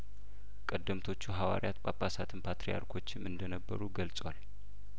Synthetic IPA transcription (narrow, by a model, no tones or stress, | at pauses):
kʼəd̪ːəmt̪ʰo̞t͡ʃːuɦawa̰ɾijat̪bʼapʼːasat̪ʰɨnpʰat̪ɾija̰ɾkʰo̞t͡ʃːɪmɨnd̪ənəbːə̰ɾuɡəlsʼwal